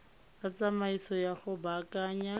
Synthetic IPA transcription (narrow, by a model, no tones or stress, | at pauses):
at͡samaisɔjaχʊbakaːɲa